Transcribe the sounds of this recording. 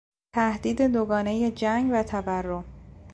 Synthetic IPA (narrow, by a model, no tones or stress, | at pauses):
t̪ʰæhd̪iːd̪e̞d̪oɡɒːne̞je̞d͡ʒæŋɡvæt̪ʰæværːo̞m